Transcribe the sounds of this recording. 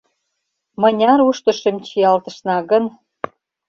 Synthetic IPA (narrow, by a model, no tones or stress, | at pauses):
mə̆nʲɑɾuʃt̪ə̆ʃə̆mt͡ɕiɑlt̪ə̆ʃnɑɣə̆n